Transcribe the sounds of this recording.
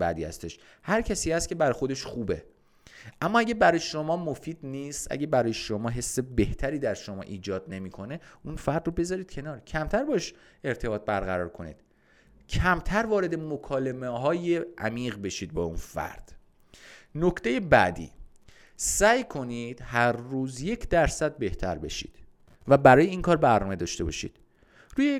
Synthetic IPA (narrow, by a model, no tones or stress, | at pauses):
bæ̰d̪iːhæ̰st̪e̞ʃ | hæɾcʰæsiːhæst̪̚cʰe̞bæɾɒxo̞d̪e̞ʃxuːbe̞̰ | ʔæmːɒːæɟʲebæɾɒːjeʃo̞mɒːmofiːd̪̥niːst̪ʔæ̰ɟebæɾɒːjeʃomɒːɦe̞sːebe̞ht̪ʰæɾiːd̪æɾʃo̞mɒ̰ːʔiːd͡ʒɒːd̪̚ne̞miːkʰo̞ne̞unfæɾd̪robe̞zɒːɾiːd̪̚cʰe̞nɒːɾcʰæmt̪ʰæɾbɒːeʃ | e̞ɾt̪ʰe̞bɒːt̪̚bæɾɣæɾɒ̰ːɾkʰo̞nḭːd̪̥ | cʰæmt̪ʰæɾvɒːɾe̞d̪emokʰɒːle̞meɦɒːjeʔæ̰miːɣbe̞ʃiːd̪̚bɒːunfæ̰ɾd̪̥ | nokʰt̪e̞jebæ̰d̪ḭː | sæːjkʰo̞niːd̪̥hæɾːuːzje̞cʰd̪æɾsæd̪̚be̞ht̪ʰæ̰ɾbe̞̰ʃḭːd̪̥ | væbæɾɒːjeiːŋkʰɒːɾbæɾnɒːme̞d̪ɒːʃt̪e̞bɒ̰ːʃḭːd̪̥ | ɾuːje